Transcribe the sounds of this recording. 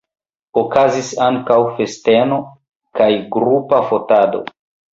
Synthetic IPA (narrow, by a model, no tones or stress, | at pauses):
okazisaŋkawfe̞ste̞no̞ | kajɡɾupafo̞tado̰